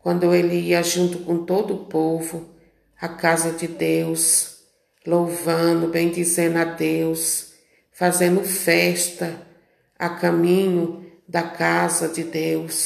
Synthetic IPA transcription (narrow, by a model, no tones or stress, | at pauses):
kwɐ̃nd̪ʊelɪiɐʒũnt̪ʊkõt̪od̪ʊʊpovʊ | akazɐd͡ʒɪd̪ews | lowvɐ̃nʊbẽj̃d͡ʒ̪izẽd̪ʊad̪ews | fazẽnd̪ʊfɛʃt̪ɐ | akɐ̃mĩɲʊ | d̪ɐkazɐd͡ʒɪd̪ews